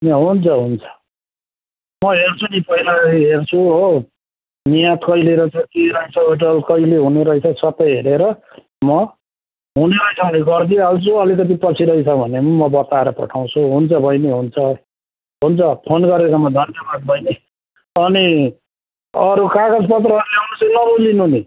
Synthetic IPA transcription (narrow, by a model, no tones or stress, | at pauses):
ɦneɦunt͡sʰʌɦunt͡sʰʌ̥ | mʌɦert͡sʰunipʌilaɦert͡sʰuo | nijat̪kʌjleɾʌt͡sʰʌkeɾʌit͡sʰʌiʈʌlkʌileɦuneɾʌit͡sʰʌsʌpːʌjɦeɾeɾʌ | mʌ | ɦuneɾʌit͡sʰʌbʌniɡʌrd̪ialt͡sʰuʌlik̬ʌt̪̬ipʌt͡sʰiɾʌjt͡sʰʌbʱʌnemumʌbʌt̪aeɾʌpʌ̰ʈʰaw̃t͡sʰuɦunt͡sʰʌbʱʌjneɦunt͡sʰʌ | ɦunt͡sʰʌpʰonɡʌɾekamʌd̪ʱʌnsabad̪̚bʱʌjne | ʌni | ʌɾukaɡʌd͡zpʌt̪rʌɾleɦunut͡sʌnʌbulinuni